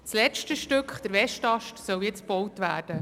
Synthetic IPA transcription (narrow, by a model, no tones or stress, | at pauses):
slɛt͡ʃtəʃtʏkχd̥əɾʋɛʃtɑʃtsœwjɛt͡sb̥ɔwtʋæːɾd̥ə